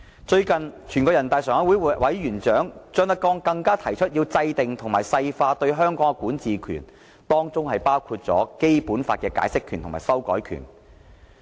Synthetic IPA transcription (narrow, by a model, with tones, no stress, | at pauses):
t͡ʃɵ˧ɥkɐ˨nt͡ʃʰyː˨˩nkɔː˧jɐ˨˩nt̪aː˨jsœː˨ŋɐ˨˥wuː˨˥jwɐ˨˥jjyː˨˩nt͡ʃœː˨˥ŋt͡sœː˧ŋt̪ɐ˧˥kɔː˧ŋkɐ˧ŋkaː˥t̪ʰɐ˨˩jt͡ʃʰɵ˥t̚jiː˧wt͡sɐ˧jt̪ɪ˨ŋt̪ʰʊ˨˩ŋmaː˨˩jsɐ˧jfaː˧t̪ɵ˧ɥɦœː˥ŋkɔː˨˥ŋɛ˧kuː˨˥nt͡siː˨kʰy̰ː˨˩n | t̪ɔː˥ŋt͡sʊ˥ŋhɐ˨jpaː˥wkʰuː˧t̚t͡sɔ̰ː˨˥ke˥jpuː˨˥nfaː˧t̚kɛː˧ka̰ː˨˥jsɪ˥kʰːyː˨˩nt̪ʊ˨˩ŋmaː˨˩sɐ˥wkɔ̰ː˨˥jkʰy̰˨˩n